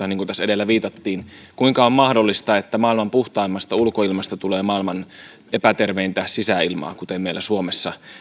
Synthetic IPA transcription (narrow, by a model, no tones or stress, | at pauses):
ɑniːŋkunt̪æsedelːæʋiːt̪ɑt̪ːiːnkuiŋkɑommɑhdolːist̪ɑet̪ːæmɑːilmɑmpuht̪ɑimːɑst̪ɑulkoilmɑst̪ɑt̪uleːmɑilmɑn | epæt̪erʋeint̪æsisæilmɑ̰ːkut̪emmeilːˑæsuomesːɑ